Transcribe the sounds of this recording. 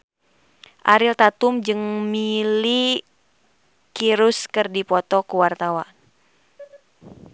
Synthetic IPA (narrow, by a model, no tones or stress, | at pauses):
ʔaɾilt̪at̪umd͡ʒɨŋmili | kiɾuskɨrdipɔt̪ɔkuwart̪awa